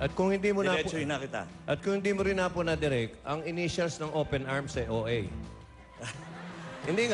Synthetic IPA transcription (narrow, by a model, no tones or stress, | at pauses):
ʔɐt̪̚kʊŋhɪnd̪imonaɛpɪnɐkɪt̪a̰ʔɐt̪̚kʊŋhɪnd̪imoɾɪnaponɐd̪ɪɾɛkʔɐŋɪniʃɐlsnɐŋʔoːpɛnaɹmsɐʔoʔɛj | hɪnd̪iŋ